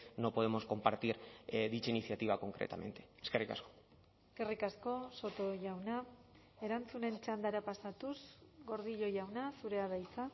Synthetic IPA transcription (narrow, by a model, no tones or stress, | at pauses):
no̞po̞ð̞emo̞sko̞mpaɾt̪iɾðit͡ʃainiθjat̪iβ̞ako̞ŋkɾḛt̪amẽ̞̰nt̪e̞̥eskerika̰sko̞̥ | eske̞rikasko̞so̞t̪o̞ʝawna | e̞ɾant͡sune̞nt͡ʃand̪aɾapasat̪usɡo̞ɾð̞iʎo̞ʝawnasuɾe̞aðajt͡sa